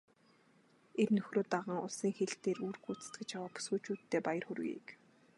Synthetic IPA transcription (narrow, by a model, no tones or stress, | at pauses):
ernɵxroːt̪aʁə̆ŋʊ̰ɮsiːŋxeɮt̪eːruːrxut͡sɘ̥̆t̪ɡɘ̆t͡ɕjawaːpu̥sɡuːt͡ɕuːt̪ʰːeːpajə̆rxɵɾɣḭːk